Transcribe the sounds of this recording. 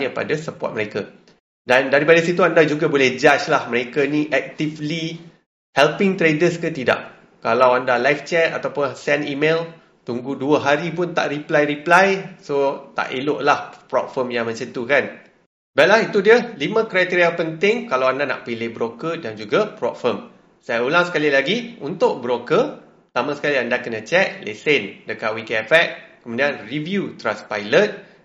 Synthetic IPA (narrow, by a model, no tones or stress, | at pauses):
ɲə̃pa̰dasəpɔ̰t̪̚məɾeka | dandaɾipadasit̪uandad͡ʒuɡabolɛhd͡ʒat͡ʃlahməɾekaniʔɛk̚t̪ifli | hɛlpɪŋt̪ɾedəskət̪ida̰ʔ | kalawandalajft͡ʃɛt̪a̰t̪awpʊnsɛnimel | t̪uŋɡuduəɦaɾipʊnt̪a̰ʔriplajɾiplajsot̪a̰ʔeloʔlahpɾɔ̰t̚fəmjaŋmə̃nsit̪ukan | bat̪̚laɦit̪udiəlimə̃kɾajt̪iɾiapənt̪ɪŋkalawandana̰ʔpilɪhbɾokədand͡ʒuɡapɾɔ̰p̚fəm | sajaulaŋsə̥kalilaɡiunt̪ʊʔ̚bəɾokə | pt̪amãsə̥kaliandakənãt͡ʃɛt̪̚lḛsendəkat̪̚wikɛfɛk̚kəmũdianrivjut̪ɾanspajlət̪̚